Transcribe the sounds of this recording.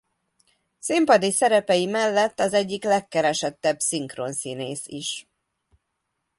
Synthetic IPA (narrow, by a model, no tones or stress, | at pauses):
simpɒd̪isɛɾɛpɛjimɛlːɛt̪ːɒzɛɟːiklɛkːɛɾɛʃɛt̪ːɛbsiŋkro̰nsiːneːsiʃ